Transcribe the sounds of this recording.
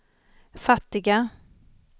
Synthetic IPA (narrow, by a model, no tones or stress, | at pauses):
fat̪ːɪɡa